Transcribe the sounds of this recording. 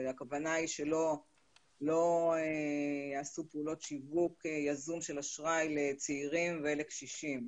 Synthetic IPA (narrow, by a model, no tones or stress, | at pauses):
akavanaiʃe̞lo̞ | lo̞ejaːsupeulo̞tʃivukejazumʃe̞laʃʁajlet͡seiʁimveelekʃiʃim